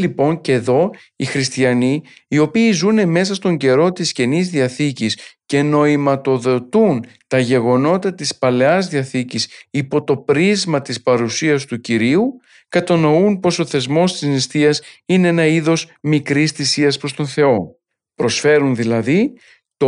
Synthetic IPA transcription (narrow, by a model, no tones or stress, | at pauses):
lipo̞ɲceðo̞ | ixɾist̪iɐni | io̞piːzune̞me̞s̬ɐst̪o̞ɲɟe̞ɾo̞t̪isce̞nizðiɐθicisce̞no̞imɐt̪o̞ðo̞t̪unt̪ɐʝe̞ɣo̞no̞t̪ɐt̪ispɐle̞ɐzðiɐθicisipo̞t̪o̞pɾizmɐt̪ispɐɾusiɐst̪uciɾiu | kɐt̪ɐno̞unpo̞so̞θe̞zmo̞st̪iznist̪iɐsineenɐiðo̞zmikɾisθisiɐspɾo̞st̪o̞nθe̞o̞ | pɾo̞sfe̞ɾunðilɐði | t̪o